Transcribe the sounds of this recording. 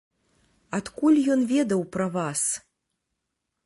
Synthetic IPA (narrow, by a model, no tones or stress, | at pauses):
at̪kulʲjɔnvʲɛd̪ɐwpɾɐvas